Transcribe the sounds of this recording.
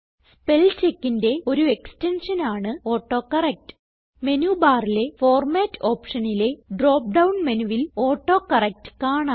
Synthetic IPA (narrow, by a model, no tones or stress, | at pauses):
spelt͡ɕe̞kːinde̞o̞ɾue̞kste̞nʂɐnaːɳɨo̞ːʈːo̞ːkɐrɐk̚tɨ̥ | me̞nuːbaːrile̞fo̞ːrmaːtːo̞ːpʂɐnile̞ɖro̞ːp̚ɖɐwɳmenuʋilo̞ːʈːo̞ːkɐrɐk̚tɨ̥kaːɳaː